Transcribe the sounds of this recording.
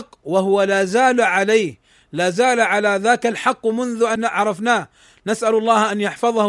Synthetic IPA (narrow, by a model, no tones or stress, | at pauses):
qːwahʊwalaːzaːlʕalaːh | laːzaːlaʕalaðaːkalħɑqːmʊnðʊʔanaʕɾˤɑfnaː | nasʔalɑlˤːɑːhʔanjɑħfɑðˤɑh